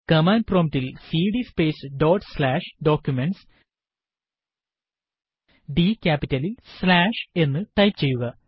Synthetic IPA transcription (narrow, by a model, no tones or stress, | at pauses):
kɐmaːnproːmʈilsiːɽispe̞ːsɖo̞ːʈslaːʂɖo̞ːkʲjume̞ɳʈs | ɖikʲaːpitːɐlilslaːʂe̞nːɨʈɐjpt͡ɕe̞jːuɣɐ